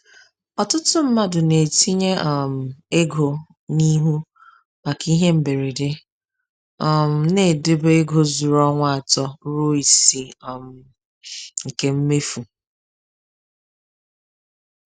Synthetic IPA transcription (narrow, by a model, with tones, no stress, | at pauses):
ɔ˨tʊ˦tʊ˦m̩˦ma˦dʊ˨ne˨ti˦ɲe˦ʔm̩˨e˦ɡo˨ | ni˦ɦu˦ | ma˨ki˦ɦe˦m̩˨be˨ɾi˨dɪ˦ | ɔ˦˨m̩˨ne˨dɪ˦bʊ˦e˦ɡo˨zu˨ɾɔ˦ŋʷa˦˨a˨tɔ˦ɾo˦i˨si˨m̩˨ | ŋ̩˨ke˦m̩˦me˦fu˨